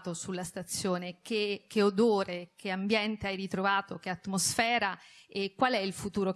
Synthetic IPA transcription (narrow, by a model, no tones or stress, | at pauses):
t̪osulːast̪at̪sːjoːnek̟ek̟ːeod̪oːɾek̟eambjɛnt̪eajrit̪ɾovaːt̪ok̟eat̪ːmosfɛːɾaekːwalɛilfut̪uːɾo